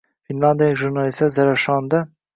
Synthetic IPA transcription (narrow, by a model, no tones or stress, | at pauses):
finlɑnd̪ɑjɛkʒuɾnɑlist̪ɛzɛɾɛʃɑːnd̪ɛ